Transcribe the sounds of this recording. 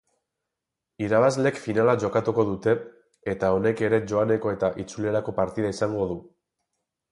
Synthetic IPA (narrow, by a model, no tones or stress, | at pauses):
iɾaβ̞azle̞kfinalaʝo̞kat̪uko̞ðut̪e̞ | et̪ao̞ne̞ke̞ɾe̞ʝo̞ane̞ko̞e̞t̪aʔit͡sule̞ɾako̞paɾt̪ið̞aisaŋɡo̞ð̞u